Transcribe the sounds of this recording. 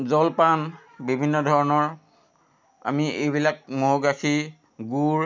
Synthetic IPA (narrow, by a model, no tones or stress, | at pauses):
zɔlpan | bibʱinːɔdʱɔɹɔnɔɹ | a̰miʔejbilak̚moɦoɡakʰi | ɡuɹ